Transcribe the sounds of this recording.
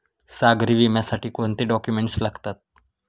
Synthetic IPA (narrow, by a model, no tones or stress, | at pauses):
saɡɾiʋimjasaʈiːkont̪eɖɔkjumeɳʈslaɡt̪at̪̚